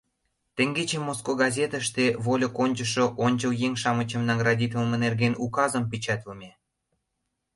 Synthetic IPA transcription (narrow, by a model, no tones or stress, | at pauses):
t̪eŋɡet͡ɕemːoskoɡɑzʲet̪əʃt̪eβolʲokonʲt͡ɕə̆ʃŏʔonʲt͡ɕəljeŋʃɑmə̆t͡ɕə̆mnɑɡrɑd̪ʲit̪ʲəlmĕnerɣenukɑzəmpit͡ɕɑt̪ləmʲe